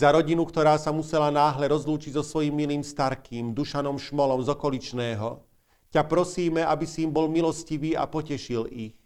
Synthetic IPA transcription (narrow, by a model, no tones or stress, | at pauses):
zaɾɔɟinukt̪ɔɾaːsamusɛlanaːɦlɛɾɔzluːt͡ʃiɟzɔsʋɔjimːiliːmst̪aɾkʰiːmd̪uʃanɔmʃmɔlɔmzɔkɔlit͡ʃnɛːɦɔ | capɾɔsiːmɛabisiimbɔlmilɔsciʋiːa̰pɔcɛʃilix